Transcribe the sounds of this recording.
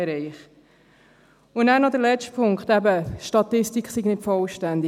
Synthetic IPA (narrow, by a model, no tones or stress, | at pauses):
ɛɾɛɪχ | ʊnæːnɔd̪əlɛt͡ʃtpʰʊŋkχt̪æbəʃtɑt̪ɪstikχsiɡnɪtfɔlʃtænd̪i